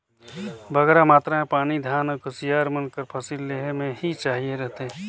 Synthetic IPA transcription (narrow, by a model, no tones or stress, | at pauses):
bəɡɛɾamaːt̪ɾaẽpaːnid̪ʱjaːnkʊsijaːɾmɪlkəɾpʰɐsilːeːɦmẽɦit͡ʃaːɦieɾɛɦt̪e